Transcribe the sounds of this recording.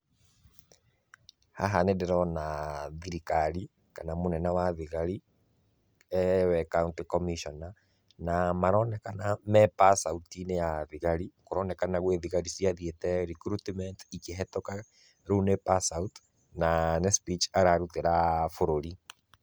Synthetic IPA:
ha̰ɦanedɛɾɔnaðiɾikaɾi | kanamonɛnawaðiɣaɾi | ɛwɛkauntikɔmiʃɔna | namaɾɔnɛkanamɛpasautinejaðiɣaɾikoɾɔnɛkanaɣweðiɣaɾisiaðietɛɾikɾutmɛntikeɦɛtoka | ɾunepasawt | nanɛspit͡ʃaɾaɾuteɾafoɾoɾi

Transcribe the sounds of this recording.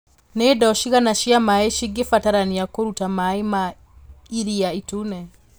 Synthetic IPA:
nedɔʃiɣanaʃjamaeʃiɡefataɾaniakoɾutamaema | iɾiaitunɛ

